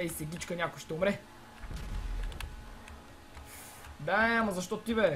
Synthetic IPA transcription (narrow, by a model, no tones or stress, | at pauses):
ɛisɛɡʲit͡ʃkənʲakʊjʃt̪ɛʊmɾɛ | d̪aɐmɐzɐʃt̪ɔt̪t̪ibɛ